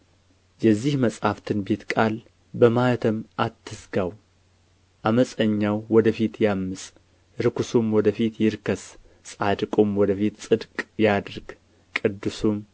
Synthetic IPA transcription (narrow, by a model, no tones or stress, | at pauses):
jɛzːihməsʼhaft̪ʰɨnbe̞t̪kʼal | bəmajt̪ʰəmʔat̪ʰːɨsɡaw | ʔaməsʼəɲːawːɔd̪əfit̪jamːɨsʼ | ɾɨkusumwɔd̪əfit̪jɪɾkʰəs | sʼad̪ɨkʼomwɔd̪əfit̪sʼɨd̪kʼjad̪ɾɡ̥ | kʼɨd̪ːɨsum